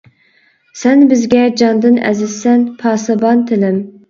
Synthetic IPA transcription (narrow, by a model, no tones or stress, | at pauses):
sɛnbɪzɡʲɛd͡ʒɑnd̪ɨnɛ̰zɪz̥sɛnpʰɑːsɨbɑnt̪ʰɪlɪm